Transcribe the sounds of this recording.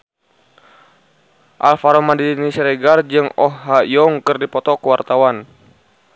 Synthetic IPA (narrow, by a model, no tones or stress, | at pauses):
ʔalfaɾɔmandidinisɛɾɛɡard͡ʒɨŋɔhɦajɔŋkɨrdipɔt̪ɔkəwart̪awan